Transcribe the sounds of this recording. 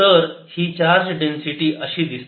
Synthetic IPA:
əɾhiːt͡ɕaɾd͡ʑɖensiʈiːʔəɕiːd̪is

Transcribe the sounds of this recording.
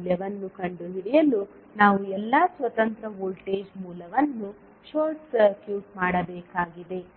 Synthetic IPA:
ljɐʋɐnːukɐɳɖuɦiɽijɐlu | naːʋuɛlːaːsʋɐt̪ɐnt̪ɾɐɦoːlʈeːd͡ʒmuːlɐʋɐnːu | ʃoːɾʈsɐɾkjuːʈmaːɽɐbɛːkaːɡid̪e̞

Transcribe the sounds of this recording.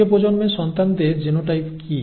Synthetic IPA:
epod͡ʑonmeʃɔnt̪and̪eɾd͡ʑenoʈajki

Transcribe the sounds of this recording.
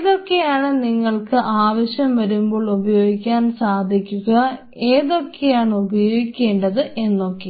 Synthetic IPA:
ðo̞kːejaːɳɨniŋːɐɭkɨʔaːʋɐɕjɐmʋɐɾumbo̞ːɭubɐjo̞ːɡikʲːaːnsaːd̪ʱikʲːuɣɐ | e̞ːðo̞kːejaːɳɨubɐjo̞ːɡikʲːe̞ːɳɖɐðɨʔe̞nːo̞kːe

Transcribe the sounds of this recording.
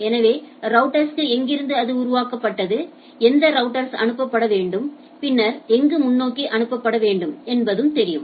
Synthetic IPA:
ɛnɐʋeːɾɐʊʈːɐɾskɯɛŋɡɪɾɯnd̪ɯɐðɯʊɾʊʋaːkɐpːɐʈːɐðɯ | ɛnd̪ɐɾɐʊʈːɐɾsɐ̰ɳɯpːɐpːɐɽɐʋeːɳɖɯm | pɪnːɐɾɛŋɡɯmʊnːoːkːiʔɐnɯpːɐpːɐɽɐʋeːɳɖɯmɛnbɐðɯmt̪ɛɾɪjɯm

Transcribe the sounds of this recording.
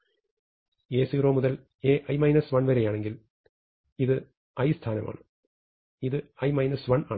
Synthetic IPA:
eːsɨɣroːmʊðɐl | eːʔɐjmɐɪnɐsʋɐɳʋɐɾɐjaːɳeŋɡil | iðɨ | ɐjst̪ʰaːnɐmʔa̰ːɳɨ | iðɨɐjmɐɪnɐsʋɐnaːɳ

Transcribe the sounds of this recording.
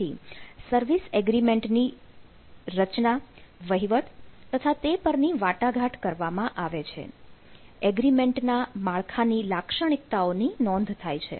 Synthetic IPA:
isəɾʋisɛɡɾimeɳʈni | ɾət͡ʃnaʋəɦiʋət̪t̪ət̪ʰat̪epəɾniʋaʈaɡʱaʈkəɾʋamãʔaʋet͡ʃʰḛ | ɛɡɾimeɳʈnamaɭkʰanilakʃəɽ̃ik̚t̪aoninɔ̃nd̪ʱt̪ʰajt͡ʃʰḛ

